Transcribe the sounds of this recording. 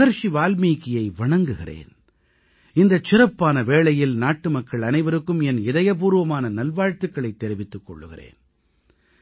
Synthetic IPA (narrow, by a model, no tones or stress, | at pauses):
ɣɐɾʂiʋaːlmiːkːɪjɐɪʋɐɳɐŋɡɯɣɪrḛːn | ɪnd̪ɐt͡ʃːɪɾɐpːaːnɐʋeːɭɐjɪlnaːʈːɯmɐkːɐɭɐnɐɪʋɐɾɯkːɯmɛnɪðɐjɐp̬uːɾɯʋɐmaːnɐnɐlʋaːɻt̪ɯkːɐɭɐɪt̪ːɛɾɪʋɪt̪ːɯkːɔ̰ɭːɯɣɪ̰rḛːn